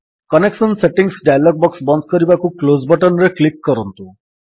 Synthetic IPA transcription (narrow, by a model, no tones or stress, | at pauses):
kənekʃənseʈiŋɡsɖajlɔɡ̚bɔksbɔnd̪̚ʱkəɾibakuklod͡zbəʈənɾeklikːəɾənt̪u